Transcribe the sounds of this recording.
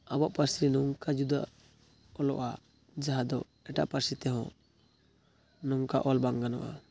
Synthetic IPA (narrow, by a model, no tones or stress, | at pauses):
abɔʔpaɾsinɔŋkad͡ʒud̪a̰ | ɔlɔʔa | d͡ʒaɦad̪ɔ̰ | ɛʈa̰ʔpaɾsit̪ɛɦɔ̃ | nɔŋkaʔɔlbaŋɡanɔ̰ʔa̰